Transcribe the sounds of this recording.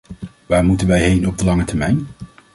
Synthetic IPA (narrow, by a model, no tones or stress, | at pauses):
ʋaːɹmutənʋɛjɦejnɔb̚dəlɑŋətɛɹmɛjn